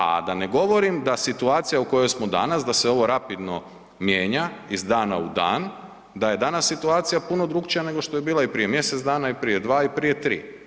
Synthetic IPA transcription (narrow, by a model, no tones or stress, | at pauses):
a̰d̪aneɡo̞ʋo̞ɾimd̪asit̪uaːt̪sijauko̞jo̞jsmo̞d̪a̰nasd̪aseo̞ʋo̞ɾapid̪no̞ | mjeːɲaizd̪aːna̰ud̪a̰ːn | d̪aje̞d̪anasːit̪uaːt̪sijapuno̞d̪ɾuɡt͡ʃijane̞ɡo̞ʃt̪o̞je̞biːlˠaipɾije̞mje̞set̪zd̪aːnaipɾije̞d̪ʋaːipɾije̞t̪ɾḭː